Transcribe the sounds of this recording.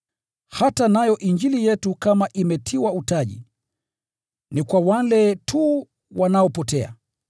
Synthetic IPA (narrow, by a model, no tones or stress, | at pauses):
hatanajɔʔiɲd͡ʒilijɛtukamaʔimɛtʰiwautaʄḭ | nikwawalɛtʰu | wanaɔpɔtɛa̰